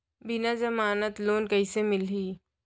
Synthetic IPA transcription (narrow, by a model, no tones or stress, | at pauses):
bɪnad͡ʒɐmaːnət̪loːnkɐisemɪlɦiː